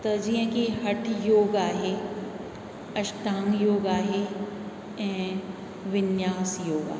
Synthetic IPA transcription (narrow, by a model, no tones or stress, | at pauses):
t̪ɐd͡ʒiːɦə̃kiɦɐʈʰjoːɡaːɦeː | ɐʃʈãːŋjoːɡaːɦe | ɛ̃ː | ʋɪnjaːsjoːɡa̰ː